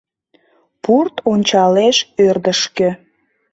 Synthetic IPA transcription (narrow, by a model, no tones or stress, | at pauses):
purt̪onʲt͡ɕɑleʃørd̪əʃkø̆